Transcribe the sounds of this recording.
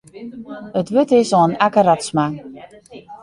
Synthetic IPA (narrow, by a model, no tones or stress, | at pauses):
ətʋøtɪsoənakəɾatsma